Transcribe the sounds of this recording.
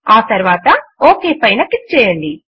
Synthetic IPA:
aːt̪ɐɾʋaːt̪ɐoːkeːpɐjnɐkit̪̚t͡ʃɛːjɐɳɖi

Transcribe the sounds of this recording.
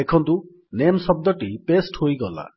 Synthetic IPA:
ekʰɔnt̪u | nemsɔb̚d̪ɔʈipesʈhojɡɔla̰

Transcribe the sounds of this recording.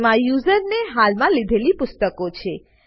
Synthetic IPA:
mãjuzəɾneɦalmãlid̪ʱelipʊst̪əkot͡ʃʰe

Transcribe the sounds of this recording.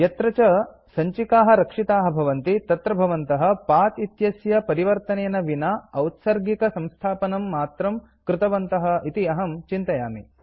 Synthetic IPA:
jɐt̪ɾɐt͡ʃɐ | sɐɲt͡ʃikaːɦɐ̆ɾɐkʂit̪aːɦɐ̆bʱɐʋɐnt̪it̪ɐt̪ɾɐbʱɐʋɐnt̪ɐɦɐ̆paːt̪it̪jɐsjɐpɐɾiʋɐɾt̪ɐneːnɐʋinaɐwt̪sɐɾɡikɐsɐ̃mst̪ʰaːpɐnɐmːaːt̪ɾɐm | kɾɪt̪ɐʋɐnt̪ɐɦɐ̆it̪iɐɦɐmt͡ʃint̪ɐjaːmi

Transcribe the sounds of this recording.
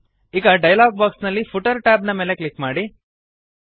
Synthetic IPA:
iɡɐɖɐjɐlaːɡ̚baːksnɐlːipʰuʈɐɾʈaːbnɐmeːleklikmaːɽi

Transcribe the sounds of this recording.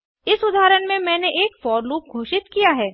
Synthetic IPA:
ɪsʊd̪ʱaːɾənmẽmɛ̃ːneʔeːkfɔːɾluːp̚ɡʱoːʃɪt̪kijaɦɛː

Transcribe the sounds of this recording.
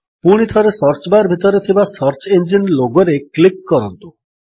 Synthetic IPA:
puɽ̃it̪ʰɔɾesɔɾt͡ʃɔbaɾbʱit̪ɔɾet̪ʰibasʌɾt͡ʃend͡ʒinloɡɔɾeklikːɔɾɔnt̪u

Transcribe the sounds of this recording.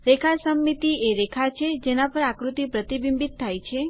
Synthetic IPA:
ɾekʰasəmːit̪ieɾekʰat͡ʃʰed͡ʒenapəɾakɾut̪ip̪ɾət̪ibimbit̪ʰːajt͡ʃʰe

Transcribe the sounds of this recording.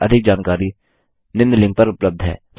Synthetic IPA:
ɐd̪ʱɪk̚d͡ʒaːnkaːɾi | nɪ̃nd̪lɪ̃ŋɡ̚pɐɾʊpləb̚d̪ʱɦɛ̰ː

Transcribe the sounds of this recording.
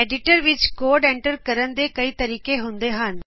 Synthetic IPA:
eɖɪʈəɾʋɪt͡ʃkoːɾɖɛ̃ːɳʈəɾkəɾənd̪eːkɐiːt̪əɾiːkeɦʊ̃nd̪eɦən

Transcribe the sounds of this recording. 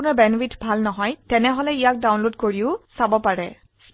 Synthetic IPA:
ʊnabɛnwitʰbʱalnɔɦɔjtɛnɛɦɔlɛijak̚dawnlodkoɹiʊsabɔpaɹɛ

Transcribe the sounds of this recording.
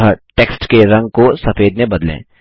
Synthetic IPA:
əʈeːksʈkeɾɐ̃ŋɡ̚kosɐfeːd̪nebɐd̪lḛ̃ː

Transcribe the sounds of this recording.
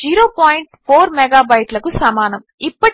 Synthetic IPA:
d͡ʒiːɾoːpaːjiɳʈpʰoːɾmɛɡaːbɐjʈlɐkusɐmaːnɐmipːɐʈ

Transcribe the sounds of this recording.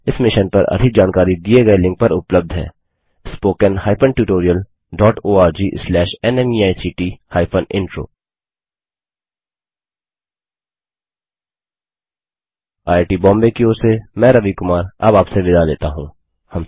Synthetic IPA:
ɪsmɪʃənpɐ̰ɾɐ̰d̪ʱɪk̚d͡ʒaːnkaːɾid̪ieɡɐelɪ̃ŋk̚pɐɾʊpləb̚d̪ʱɦɛ̰ː | spoːkənhaːɪpʰəɳʈjuːʈoːɾijəl | ɖɔːʈoːaːɾd͡ʒiːslɛːʃɛnɛmiaːisiːʈiːhaːɪpʰənɪ̰̃ɳʈɾo̰ː | aːeʈiːbɔ̃ːmbekioːɾsemɛ̃ːɾɐʋikʊmaːɾɐ̰baːpseʋɪd̪ʱalḛːt̪aɦũː | hɐm

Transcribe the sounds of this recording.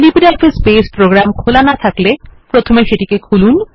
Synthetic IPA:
lipiɖelfespespɾoɡɾamkʰolanat̪ʰaklepɾot̪ʰomeʃeʈikekʰulun

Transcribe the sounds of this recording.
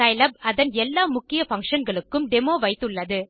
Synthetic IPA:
ɐɪlɐb̚ɐðɐnɛlːaːmʊkːɪjɐfɐŋkʂɐnɡɐɭɯkːɯmɖɛmoːʋɐɪt̪ːɯɭːɐðɯ

